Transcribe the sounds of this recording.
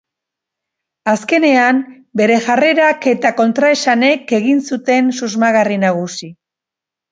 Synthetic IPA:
aske̞ne̞am | be̞ɾe̞ʝare̞ɾake̞t̪ako̞nt̪ɾaesane̞ke̞ɣinsut̪e̞nsuzmaɣarinaɣ̞usi

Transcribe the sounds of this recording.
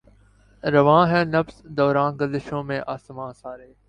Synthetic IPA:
ɾəʋãːɦɛ̃ːnɐfsd̪ɔːɾãːnɡəlɪʃõːmẽːʔaːsmãːsaːɾeː

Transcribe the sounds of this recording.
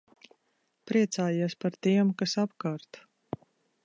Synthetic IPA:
pɾiɛt̪saːjiɛspaɾt̪iɛmkasapkaːɾt̪

